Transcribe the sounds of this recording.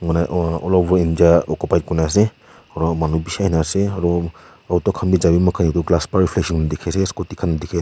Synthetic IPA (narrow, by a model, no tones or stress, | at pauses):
ŋɔnaʔɔ̰lɔbɔind͡ʒaɔkupajt̚kɔnas̬ɛ | aɾɔmanubisahinasɛaɾɔ | autɔkʰanbizabimɔkʰanitɔɡlaspaɹipʰlɛksiŋndɛkʰɛsɛsɔ̥kɔtikʰandɛkʰɛs